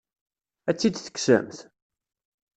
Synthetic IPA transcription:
æt͡sːid̪θə̥ksə̰mθ

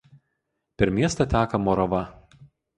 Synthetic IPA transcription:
pʲɛɾmʲiɛst̪ɐt̪ʲæːkɐmɔɾɐʋɐ

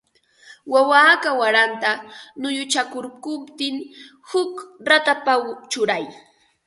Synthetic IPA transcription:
wawaːkawaɾant̪anʊjʊt͡ʃakʊɾkʊpt̪ɪŋ | hʊkɾat̪apawt͡ʃʊɾaj

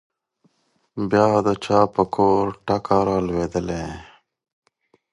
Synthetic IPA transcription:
bjaːd̪ət͡ʃaːpəkʰoːɾʈakaɾaːlweːd̪əlẽ

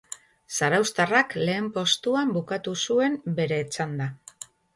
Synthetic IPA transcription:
saɾawst̪arakle̞ːmpo̞st̪uambukat̪usue̞mbe̞ɾe̞ːt͡sand̪a

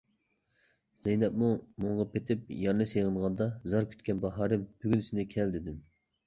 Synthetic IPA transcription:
z̥ɛjnɛpmumoɴʁɑpʰet̪ʰɪp̚jɑɾnɨseʁənʁɑnd̪ɑzɑɾkʲʰy̥t̪̚kʲɛnbɑɦɑːɾɪmb̥yɡʲynsɪnɪkʲʰɛld̪ɪd̪ɪm

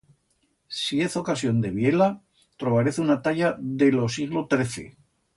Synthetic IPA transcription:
sie̞θo̞kasjo̞nd̪e̞β̞jela | t̪ɾo̞βaɾeθunat̪aʎaðe̞lo̞siɣ̞lo̞t̪ɾe̞θe̞̰

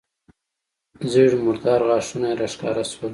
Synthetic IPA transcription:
ziɽimʊɾd̪ɑːɾɣɑːʂunaɾaʂkɑ̰ːɾaswal

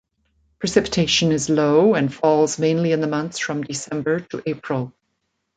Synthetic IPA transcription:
pʰɹ̥ɨsɪpɨ̥tʰeɪʃə̃nɪzloʊə̃nfɔlˠzmẽɪ̃nliɨ̃nðəmʌ̃nθsfɹʌ̃mdɨsɛ̃mbə˞ɾəʔepʰɹəlˠ

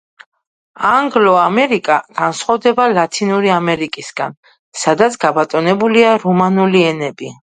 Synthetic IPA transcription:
aŋɡlɔamɛɾikʼaɡ̥ansχɔvd̪ɛbalat̪ʰinuɾiamɛɾikʼisɡ̥a̰n | sad̪at̪sʰɡ̥abat̪ʼɔnɛbuliaɾɔmanuliɛnɛbi

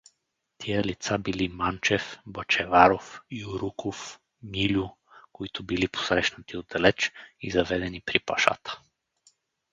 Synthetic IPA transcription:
t̪ʰijəlit̪sabilimant͡ʃɛfbət͡ʃɛvaɾofiuɾukof | milʲʊ | koit̪ʊbilipo̥sɾɛʃnət̪iod̪ɐlɛt͡ʃizɐvɛd̪ɛnipɾipaʃa̰t̪ə̥

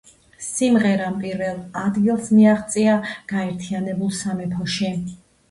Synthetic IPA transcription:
simʁɛɾampʼiɾvɛlˠad̪ɡilˠsmiaʁt̪sʼiaɡ̥aɛɾt̪ʰianɛbulˠsamɛpʰɔʃi

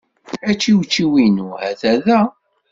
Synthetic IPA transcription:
æt͡ʃːiwt͡ʃːiwinuæ̰θæðæ

